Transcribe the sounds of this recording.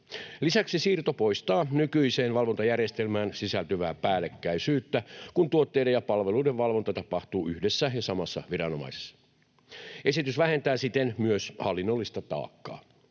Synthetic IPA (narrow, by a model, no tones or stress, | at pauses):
lisæksisiːrt̪opo̞jst̪ɑːnykyjse̞ːnʋɑlʋo̞nt̪ɑjærjest̪elmæːnsisælt̪yʋæːpæːlekːæisyːt̪ːækunt̪uot̪ːejdejɑpɑlʋe̞luideʋʋɑlʋo̞nt̪ɑt̪ɑpɑht̪uːʔyhdesːæjɑsɑmɑsːɑ̰ʋiɾɑno̞mɑ̰ise̥sːɑ̥ | ʔe̞sit̪ysʋæɦe̞nt̪æːsit̪enmyøshɑlːinːolːist̪ɑt̪ɑ̰ːkːɑ̰ː